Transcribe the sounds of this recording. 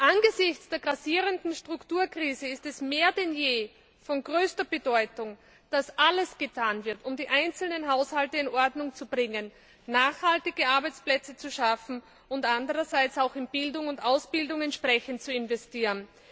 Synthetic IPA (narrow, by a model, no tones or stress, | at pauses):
ʔanɡəzɪçt͡sd̥eːɐɡʁasiːʁəndn̩ʃtʁ̥ʊktuːɐkʁ̥iːzəɪstɛsmeːɐdɛnjeː | fɔnɡʁøːstɐb̥ədɔʏtʊŋ | d̥asʔaləsɡ̥ətʰaːnvɪɐtʊmdiːʔaɪnt͡sl̩nənɦaʊshaltəɪnʔɔɐdnʊŋt͡sub̥ʁɪŋənː | aːxhaltɪɡəʔaɐbæɪt͡splɛt͡sət͡suʃafn̩ | ʊntʔandəʁɐzaɪt͡saʊxɪnb̥ɪldʊŋʊntʔaʊsb̥ɪldʊŋɛntʃpʁ̥ɛçənt̚t͡suɪnvɛstiːʁən